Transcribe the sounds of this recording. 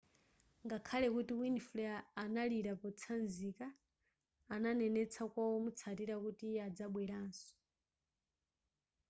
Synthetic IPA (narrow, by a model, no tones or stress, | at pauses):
ŋɡakʰalɛkutiwinflɛaːnaliɾapɔt͡sʰanzikaː | nanɛnɛt͡sʰakwawɔmut͡sʰatiɾakutiad͡zaɓwɛɾaːnsɔ̥